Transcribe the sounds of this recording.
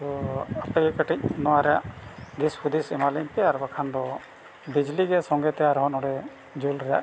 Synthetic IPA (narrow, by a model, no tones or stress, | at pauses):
ɔapɛɡɛkəʈic̚ˀnɔwaɾɛja̰ʔd̪ispʰud̪isɛmalinpɛaɾbakʰand̪ɔ | bid͡ʒliɡɛsɔŋɡɛt̪ɛaɾɦɔnɔɽɛ | d͡ʒulɾɛja̰ʔ